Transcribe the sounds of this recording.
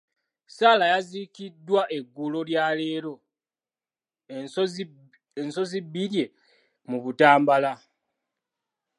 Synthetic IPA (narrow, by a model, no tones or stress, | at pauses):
saːlajazikidːwaʔe̞ɡːulo̞ljale̞ːɾo̞ | enso̞zibːiɾje̞ | muβutaːmbala